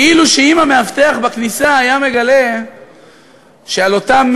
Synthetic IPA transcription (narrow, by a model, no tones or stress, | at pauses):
iluʃeimameaft̪eaχbaknisaːjame̞ɡale̞ | ʃealo̞t̪am